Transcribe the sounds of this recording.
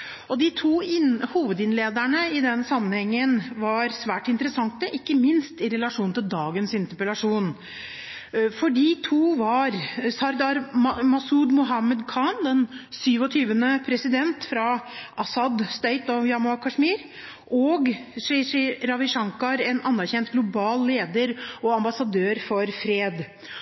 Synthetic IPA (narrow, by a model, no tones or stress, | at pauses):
ɔd̪ɪt̪ʰuːɪnhuːʋəd̪ɪnleːd̪æɳəɪd̪ɛnsɑmːənhɛŋːənʋɑɾsʋæːʈɪnt̪əɾəsɑŋt̪əʔɪkːəmɪnst̪ɪɾɛlɑʂuːnt̪ʰɪld̪ɑːɡənsɪnt̪əpəlɑʂuːn | fɔɖit̪ʰuːʋɑɾsɑɾd̪ɑɾmmɑsuːd̪mʊɦɑməd̪kʰɑnd̪ɛnsyːʋɔt̪ʰyːʋənəpʰɾɛsɪd̪ɛnt̪fɾɑʔɑsɑd̪st̪œʏt̪ɔjɑmʊɑkʰɑʂmiːɾ | ʔɔɡʂɛʂiɾɑʋɪʂɑŋkɑɾɛnɑnːæɾçɛnt̪ɡlʊbɑːlleːd̪əɾɔɑmbɑsɑd̪øːɾfɔɾfɾeːd̪